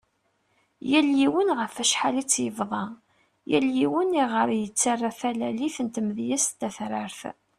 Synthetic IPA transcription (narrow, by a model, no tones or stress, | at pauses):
jæljiwənʁəfæʃħalit͡sːjəvðˤɑ | jæljiwəniʁəɾjət͡sːarːafælæliθənt̪mðjæst̪ːæθɾəɾθ